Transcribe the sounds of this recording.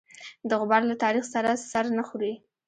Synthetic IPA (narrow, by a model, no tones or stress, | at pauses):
d̪əɣʊbaɾlat̪ɑɾixsaɾasaɾnaxuɾi